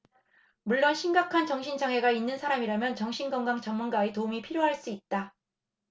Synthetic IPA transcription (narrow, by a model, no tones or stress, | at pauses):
muɭːonɕʰiŋɡakʰant͡ɕʌŋɕʰind͡ʑaŋɦe̞ɡainːɯnsʰaɾamiɾamjʌnt͡ɕʌŋɕʰinɡʌŋɡaŋt͡ɕʌŋmunɡaetoumipʰiɾjoɦaɭs͈uit̚t͈a